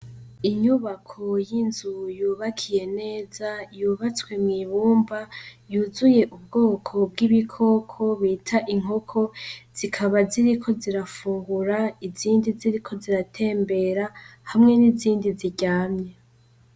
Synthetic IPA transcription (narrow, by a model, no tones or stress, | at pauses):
iɲuβakʰo̞jinzujuːβakʰije̞ne̞ːzajuːβat͡swe̞mŋiːβuːmbajuzuje̞ʔub̚ɡo̞ːkʰo̞bɡiβikʰo̞ːkʰo̞βiːtʰaʔiŋ̥o̞kʰo̞z̥ikʰaβaziɾikʰo̞ziɾafuːŋɡuɾaiziːndiziɾikʰo̞ziɾatʰe̞ːmbe̞ɾahamŋe̞niziːndiziɟaːmɲe